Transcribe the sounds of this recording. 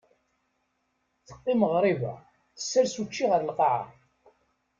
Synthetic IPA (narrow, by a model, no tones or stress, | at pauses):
θə̥qːiməʁɾˤivæ̰ | θə̥sːəɾsut͡ʃːiʁəɾlqɑʕa̰